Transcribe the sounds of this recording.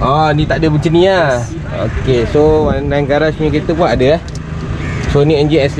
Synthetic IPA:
ɔnĩt̪aʔdəbut͡ʃənĩa | o̰kesowanaŋɡaɾasɲəket̪əkuaʔadəah | sonĩəɲd͡ʒiɛs

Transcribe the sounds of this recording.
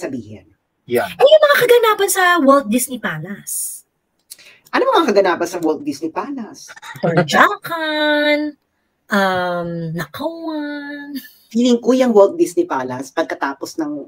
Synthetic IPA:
sɐbḭːhɪ̰n | jʔɐjʊŋmɐŋakɐɡɐnaːbɐnsɐwɛlt̪̚d̪isnɪpaːlɐs | ʔɐnomɐŋmɐŋakɐɡɐnaːbɐnsɐwɛlt̪̚d̪ɪsnɪpaːlɐst̪ɐd͡ʒaːkɐn | ʔɐmnɐkowɐn | fiːlɪŋkojɐŋwɛlt̪̚d̪isnɪpaːlɐspɐɡ̚kɐt̪aːposnɐŋ

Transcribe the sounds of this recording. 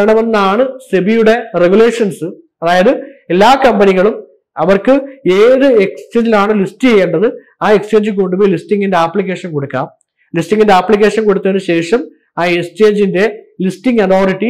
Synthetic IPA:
ɐɳɐmenːɐaːɳɨsebijuɽe̞re̞ɡule̞ːʂɐnsɨ | pɐðaːjɐðɨe̞lːaːkɐmbɐniɣɐɭum | ɐʋɐrkɨeːðɨekst͡ɕeːɲd͡ʑilaːɳɨlistːijejːeːɳɖɐðɨ | aːe̞kst͡ɕːe̞ːɲd͡ʑɨk̬o̞ɳɖuboːjilistiŋɡinde̞apːɭik̬ʲːe̞ːʂɐnko̞ɽukːa̰ːm | listːiŋɡindeaːpːɭik̬ʲːe̞ːʂɐnko̞ɽut̪ːɐʋenɨɕe̞ːʂɐm | aːekst͡ɕe̞ːɲd͡ʑinde̞ | listiŋɡɐt̪ʰoːɾiʈːi

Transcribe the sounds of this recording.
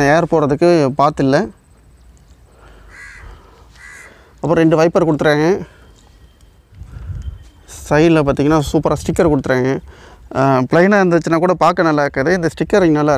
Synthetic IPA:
eːɾpoːɾɐðɯkːɯpaːɾt̪ɪlːɐ | ɐpːɾõːɾɛɳɖɯʋɐɪpːɐɾkɔɽɯt̪ːɯɾaːŋɡɐ | sɐɪlpaːɾt̪iŋɡɐnːaːsuːpɐɾaːsʈɪkːɐɾkɔɽɯt̪ːɯɾaːŋɡɐ | pɪɭɐɪnaːɐnd̪ɯʋt͡ʃːɪnːãːkuːɽɐpaːɾkɐnɐlːaːɪɾɯkːɐðɯɪnd̪ɐsʈɪkːɐɾnɐlːaː

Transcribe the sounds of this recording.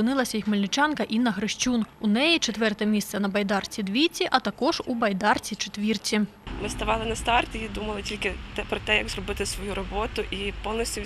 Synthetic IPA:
ɨnɪlˠɐsʲɐjixmelʲnɪt͡ʃɑnkɐʔinɐxɾɪʃt͡ʃʲununɛjit͡ʃɛt̪ʋɛrt̪ɛmʲist̪sɛnɐbɐjd̪ɑrt͡sʲid̪ʲʋʲit͡sʲiʔɐt̪ɐkɔʒubɐjd̪ɑrt͡sʲit͡ʃet̪ʲʋʲirt͡sʲimɪst̪ɐʋɑlˠɪnɐst̪ɑrtʲɪid̪umɐlˠɪtʲilʲkɪt̪ɛpɾɔt̪ɛjɐɡzrɔbɪt̪ɪsʋɔjuɾɔbɔt̪ʊʔipɔwnɔsʲtʲʊ

